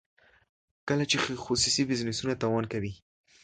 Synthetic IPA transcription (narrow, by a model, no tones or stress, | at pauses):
kəlat͡ʃexxosusibɪznɪsunat̪ɑwɑnkawi